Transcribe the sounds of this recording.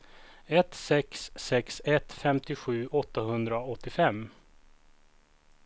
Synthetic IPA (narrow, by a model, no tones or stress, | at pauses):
ɛt̪sɛksːɛksɛt̪fɛmt̪ɪɧʉ̟ːʔɔt̪ːaɦɵnd̪ɾaɔt̪ːɪfɛmː